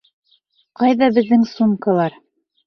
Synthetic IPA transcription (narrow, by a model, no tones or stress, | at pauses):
qɑjðɑbɘ̆ðːɘŋsuŋkɑlˠɑɾ